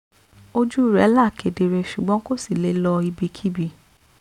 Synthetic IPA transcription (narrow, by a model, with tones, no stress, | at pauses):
o˦d͡ʒu˦i˦˨ɾɛ˨˦la˦˨ke˨de˨ɾe˧ʃu˨ɡ͡bɔ̃˨˦ko˦si˦˨le˨˦lɔ˧i˧bi˧kʰi˦bi˧˨